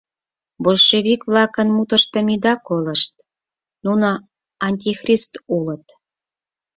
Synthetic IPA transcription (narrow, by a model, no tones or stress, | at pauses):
bolʃeβʲikvlˠɑkə̆nmut̪ɤ̆ʃt̪ə̆mʲid̪ɑkolɤ̆ʃt̪ | nuno | ɑnʲtʲixrʲist̪ulə̆t̪